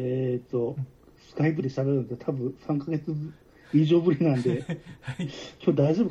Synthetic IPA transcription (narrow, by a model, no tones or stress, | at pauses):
et̪ːo̞ | sɨ̥kaip̬ːɯd̪e̞ɕit̪aβeɾɯnst̪ʰabɯ̟̃sãŋkaɡe̞t͡sɨ | iʑo̞ːbɯ̟ɾʲinãnd̪e̞ | kʲoːd̪aiʑo̞bɯ